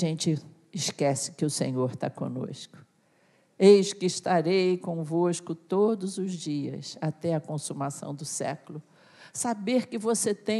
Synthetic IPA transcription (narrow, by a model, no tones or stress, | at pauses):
ʒẽnt͡ʃɪ | ɪʃkɛsɪ̥kɪʊsḛ̃ɲoɾt̪a̰kõ̰no̰skʊ̥ | ejʃʊkɪːʃt̪aɾejkõvoskʊt̪od̪ʊzʊzd͡ʒiɐ̰sat̪ɛɐkõsumasɐ̰̃w̃d̪ʊsɛ̰klʊ | sabeɾkɪvoset̪ẽ